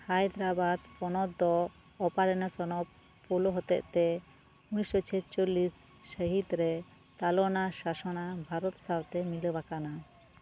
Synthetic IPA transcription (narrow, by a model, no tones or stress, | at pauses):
hajd̪ɾabad̪pɔnɔd̪ːɔː | paɾɛnɔsɔnɔp | pulɔɦɔt̪ɛ̰ʔt̪ɛ | unisɔt͡ʃʰɛt͡ʃolisː | əɦid̪ɾɛ | t̪alɔnasasɔnabʱaɾɔt̪sawt̪ɛmiləbakana